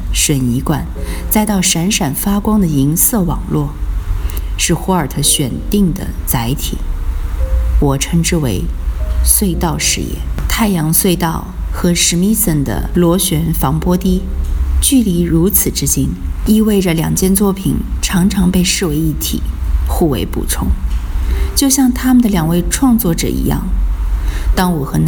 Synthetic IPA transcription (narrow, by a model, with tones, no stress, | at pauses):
ʂə˨˩ni˧˥kwa̰˨˩nt͡sa˥˧ɪt̪ɑ˥˩ʊʂa˧˥nʂa˨˩nfa˥kwɑ˥ŋd̪ə˨i˧˥ŋsɤ˥˩wɑ̰˨˩ŋlwɔ˥˩ | ʂɻ̩˥˩xwɔ˧˥ə˞˨˩t̪ʰɤ˧˥˩ɕɥɛ˨˩nt̪i˥˩ŋd̪ə̰˩t͡sa˧˥ɪt̪ʰḭ˨˩˦ | wɔ˨˩ʈ͡ʂʰɤ˧˥ŋʈ͡ʂɻ̩˥˩wḛ˧˥ɪswe˥˧ɪt̪ɑ˥˩ʊʂɻ̩̰˧˥jɛ̰˥˩t̪ʰa˥˩ɪjɑ˧˥ŋswe˥˧ɪt̪ɑ˥˩ʊxɤ˧˥ʂɻ̩˧˥mi˥sə˥˩nd̪ə̰˦lwɔ˧˥ɕɥɛ˧˥nfɑ˧˥ŋpwɔ˥t̪i˥t͡ɕy˥˩li˧˥ɻu˧˥t͡sʰɹ̩˨˩ʈ͡ʂɻ̩˥t͡ɕi˥ni˥we˥˩ɪʈ͡ʂə˩ljɑ̰˨˩ŋt͡ɕjɛ˥˧nt͡swɔ˥˩pʰḭ˨˩nʈ͡ʂʰɑ˧˥ŋʈ͡ʂʰɑ˧˥ŋpe˥˧ɪʂɻ̩˥˩we˧˥ɪi˥˩t̪ʰḭ˨˩xu˥˩wḛ˧˥ɪpṵ˨˩ʈ͡ʂʰʊ˥ŋ | t͡ɕjo˥˧ʊɕjɑ˥˩ŋt̪ʰa˥mə˨nd̪ə˩ljɑ˨˩ŋwe˥˧ɪʈ͡ʂʰwɑ˥˧ŋt͡swɔ˥˩ʈ͡ʂɤ̰˨˩ḭ˧˥jɑ̰˥˩ŋ | t̪ɑ˥ŋwɔ˨˩xɤ˧˥n